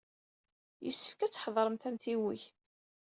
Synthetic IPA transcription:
jəsːə̥fkæt͡sːħðˤɾˤəmt̪æmθiwiç

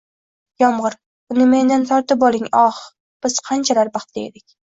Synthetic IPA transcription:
jɒmʁɨɾ | bʊnɪme̞nd̪ant̪ʰɒɾt̪ɪpɒlˠɪŋɒχ | b̥ɪz̥qʰɑnt͡ʃʰalaɾbɑχt̪ʰːeed̪ɪkʲ

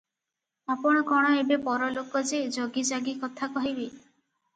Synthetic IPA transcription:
apɔɽ̃ɔkɔɽ̃ɔebepɔɾɔlokɔd͡ʒed͡ʒoɡid͡ʒaɡikɔt̪ʰakɔɦibe

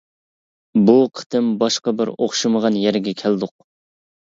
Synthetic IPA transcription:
buqʰə̥t̪ʰɨmbɑʃqɑbɪɾoχʃɨməʁɑnjɛɾɡʲɛkʲʰæld̪ʊq̚

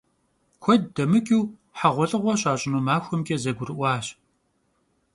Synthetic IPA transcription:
kʷʰɔddɐmɨkʲʼiwħaʁʷɔɬʼɨʁʷɔɕʼaːɕʼɪnuːmaːxʷɔmkʲʼɐzɐɡʷʊɾɨʔʷɑːɕ

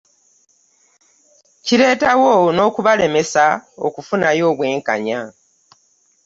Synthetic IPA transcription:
ciɾe̞ːtawono̞ːkuβale̞me̞sao̰kufunajo̞ːβwe̞ːŋka̰ɲa

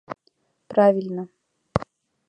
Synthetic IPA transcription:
pɾavʲilʲnə

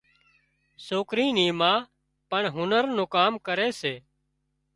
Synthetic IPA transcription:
soːkɾĩːnĩːmãː | pəɳɦʊnəɾnõːkaːmkəɾeːseː

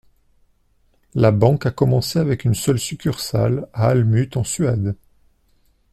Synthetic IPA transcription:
labɑ̃kakɔmɑ̃seavɛkynsœlsykʲyʁsa̰laːlmyt̪ɑ̃sɥɛd̪

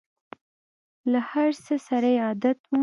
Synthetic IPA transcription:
lahaɾsəsaɾajɑd̪at̪wu

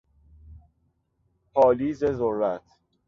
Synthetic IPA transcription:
pʰɒːliːzezorːæt̪ʰ

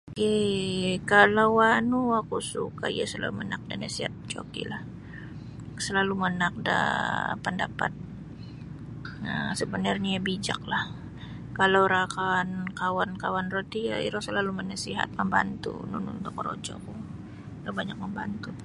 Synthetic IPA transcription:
ke | kalawanuakusukaijasəla̰lumənak̚danasiɦat̪̚t͡ʃo̰kḭlah | səlalumənak̚da̰pəndapat̪̚ | asəbənərɲaabid͡ʒak̚lah | kalawɾakankawankawanrot̪ia̰ḭɾɔsəlalumənasiɦa̰t̪̚məmba̰nt̪ṵnunuduk̚əɾo̰d͡ʒɔ̰ku | lobaɲak̚məmbant̪u

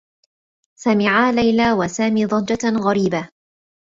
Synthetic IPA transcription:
samɪʕaːlajlaːwasaːmiːd̪ˤɑd͡ʒaɣaɾiːba

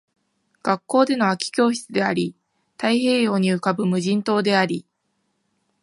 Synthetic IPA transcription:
ɡ̥akːo̞ːd̪e̞no̞akʲi̥kʲo̞ːçi̥t͡sɨd̪e̞aɾʲi | t̪aiɦe̞ːjo̞ːɲ̟iɯ̟kabɯ̟mɯ̟ʑĩnt̪o̞ːd̪e̞aɾʲi

